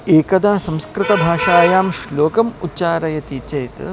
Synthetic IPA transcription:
eːkɐd̪aːsɐ̃mskɾɪt̪ɐbʱaːʂaːjaːmʃloːkɐmutːt͡ʃaːɾɐjɐt̪iːt͡ʃɐjt̪

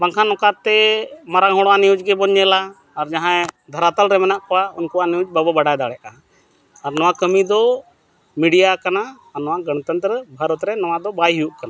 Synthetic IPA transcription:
baŋkʰanɔkaɾt̪ɛmaɾaŋɦɔɽwanijud͡ʒɡɛbɔɲːɛlaː | ɾd͡ʒãɦãɛd̪ʱəɾat̪əlɾɛmɛnaʔkɔwaunkuwanijud͡ʒbəbəbaɽajd̪aɽɛʔaː | ɾnɔwakəmid̪ɔ | miɖijakanaː | ɾnɔwaɡəñət̪ənt̪ɾəbʱəɾɔt̪ɾɛnɔwad̪ɔbajɦijuʔkana

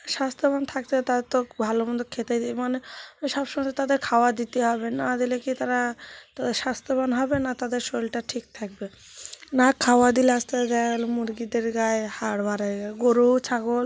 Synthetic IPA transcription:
ʃast̪ʰobant̪ʰak̚t̪et̪at̪ɔbʱalomɔnd̪okʰet̪ejd̪iemaneʃɔbʃɔmat̪ad̪eɾkʰawad̪it̪eɦɔbenad̪ilekit̪aɾat̪ad̪eɾʃast̪ʰobanɦɔbenat̪ad̪eɾʃolʈaʈʰik̚t̪ʰak̚be | nakʰawad̪ileast̪ed͡ʒalmuɾɡid̪eɾɡajhaɽbaɾaɡaɡoɾut͡ɕʰaɡol

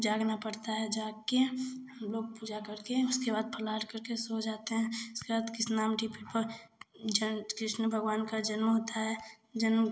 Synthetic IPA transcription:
d͡ʒaːɡnapəɽt̪aɦɛd͡ʒaːɡkeɦəmloːɡ̚puːd͡ʒakəɾkẽʊskebaːd̪̚pʰəlaːʈkəɾkesod͡ʒaːt̪eɦɛ̃ʊskebaːd̪kɪsnaːmɖipʰiʈpə | d͡ʒəkɾɪʃnəbʱəɡwaːnkad͡ʒənməɦoːt̪aɦɛ | d͡ʒənm

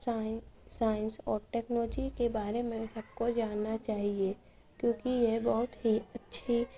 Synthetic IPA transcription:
saːɪ̃nsɔːɾʈɛːknɔːd͡ʒikebaːɾemẽsɐb̚kod͡ʒaːnːat͡ʃaːɦie | kjõːkijebɔɦʊt̪ɦiɐtːʃʰi

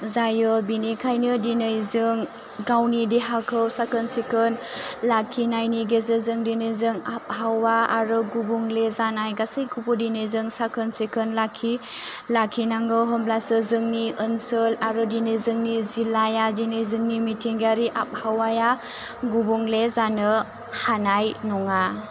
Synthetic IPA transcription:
zajɯbinekʰajnɯdinɯjzɯŋ | ɡawnidiɦakʰɯwsakʰənsekʰɯnlakʰinajniɡezɯzɯŋdinɯjzɯŋap̚hawaaɾɯɡubuŋlezanajɡasejkʰupudinɯjzɯŋsakʰənsekʰɯnlakʰːi | lakʰinaŋɯɦɯmlasɯzɯŋniɯnsɯlaɾɯdinizɯŋnizilajadinizɯŋnimitʰiŋɡaɾiʔap̚hawaja | ɡubuŋlezanɯ | hanajnɔŋa

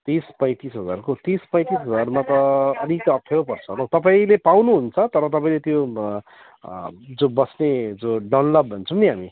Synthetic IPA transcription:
t̪ispʌ̃j̃t̪isɦʌd͡zarkot̪ispʌ̃j̃t̪isɦʌd͡zarmat̪ʌʌd̪ikʌppʰeopʌrt͡sʰʌɦlʌ̃w̃t̪ʌpaĩlepawnuɦunt͡sʰʌt̪ʌɾʌt̪ʌpaĩlet̪jo | d͡zobʌsned͡zoɖawnlʌbbʱʌnt͡sʰʌmniɦami

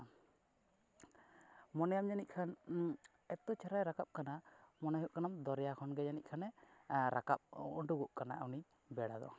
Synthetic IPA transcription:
mɔnɛjamɲanic̪̚ˀkʰan | ɛt̪ɔt͡ʃʰaɾajɾakap̚kanamɔnaɦuʔkanamd̪ɔɾɛjakʰɔnɡɛɲaniʔ̪̚kʰanɛɾakap̚ṵɳʈuɡuʔkanaawni | bɛɽad̪ɔ̰

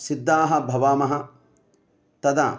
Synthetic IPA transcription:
sid̪ːaːɦɐbʱɐʋaːmɐɦɐ | t̪ɐd̪a̰ː

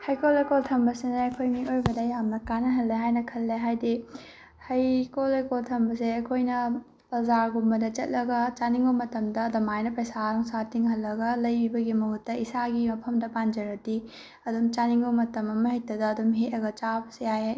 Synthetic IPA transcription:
hɐjkolejkoltʰɐmbɐsenɐɐjkʰojmiʔojbɐdɐjamnɐkanɐɦɐlːeɦajnɐkʰɐlːeɦajdi | hɐjkolɐjkoltʰɐmbɐseɐkʰojnɐ | pɐzaɾɡumbɐdɐt͡ʃɐt̚lɐɡɐt͡ʃaniŋbɐmɐtɐmdɐːdɐmajnɐpɾɐjsaɾɐŋsatiŋɦɐlːɐɡɐlɐjbibɐɡimɐɦutːɐisaɡimɐpʰɐmdɐpand͡ʒɐɾɐti | ɐdumt͡ʃaniŋɡomɐtɐmɐmɐhijtːɐdɐːdumɦetɾɐɡɐt͡ʃabɐsejajaj

